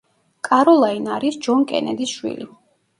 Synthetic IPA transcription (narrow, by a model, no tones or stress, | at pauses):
kʼaɾɔlˠainaɾisd͡ʒɔnkʼɛ̰nɛd̪isʃwḭli